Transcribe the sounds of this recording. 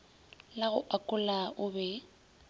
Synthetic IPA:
laɣʊ̰ʔakʼʊlaʊbɛ

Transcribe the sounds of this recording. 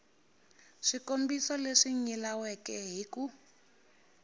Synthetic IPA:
ʂikombisɔleʂiɲilawɛkɛɦiku

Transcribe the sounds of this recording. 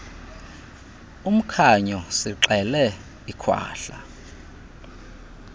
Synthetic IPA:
um̩kʰaɲɔsiǁɛlɛ | ikʰwa̰ːɬa

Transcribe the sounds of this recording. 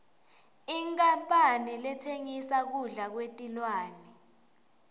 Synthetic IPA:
iŋkʼampʼanɛlɛtʰeŋisak̬uɮak̬wetʼilwaːnɛ

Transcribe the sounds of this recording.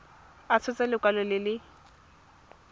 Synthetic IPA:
at͡sʰʊt͡sʼɛlɪkʼwalɔlɪlɪ

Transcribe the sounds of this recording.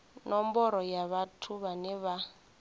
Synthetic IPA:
nɔmbɔɾɔjaβatʰuβanɛβa

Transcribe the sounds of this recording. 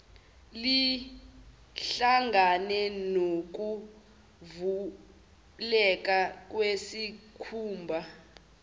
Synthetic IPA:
li | ɬaŋʱanɛnok̬u | vu | lɛk̬ʼak̬ʼwesikʰuːmbʱa

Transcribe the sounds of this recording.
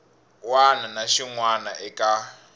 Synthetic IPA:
wananaʃiŋwanaʔɛkʼa

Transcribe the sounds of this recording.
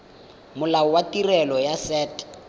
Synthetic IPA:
mʊlaɔwatirɛlɔjasɛːt

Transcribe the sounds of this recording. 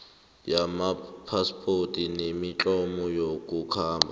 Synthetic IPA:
jamapʰaspʰʼotʼinemit͡ɬʼɔmɔjokʼukʰaːmbʱa

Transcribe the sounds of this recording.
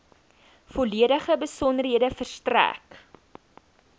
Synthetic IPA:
fɔliədəχəbəsɔnərɦiədəfərstræ̰k

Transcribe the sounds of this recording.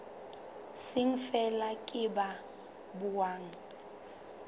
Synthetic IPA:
sɪŋ̩fɛlakʼɪba | bʊwaːŋ̩

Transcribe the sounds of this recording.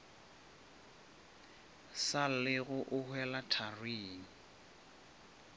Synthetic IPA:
salɪɣʊʔʊhwɛlatʰarwiːnɪ

